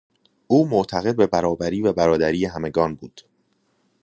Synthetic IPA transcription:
ʔuːmoʔt̪ʰæɣe̞d̪̚be̞bæɾɒːbæɾiːvæbæɾɒːd̪æɾiːjeɦæme̞ɡɒːnbuːd̪̥

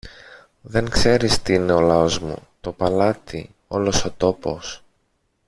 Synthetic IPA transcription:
ðe̞ŋkse̞ɾist̪iine̞o̞lɐo̞zmṵt̪o̞pɐlɐt̪i | o̞̰lo̞so̞t̪o̞po̞s

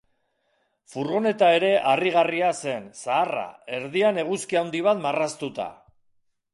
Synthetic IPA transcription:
fuɾɣo̞ne̞t̪ae̞ɾe̞ʔariɣariase̞nsaːra̰e̞ɾðiane̞ɣuskiawnd̪iβ̞at̪marast̪ut̪a̰

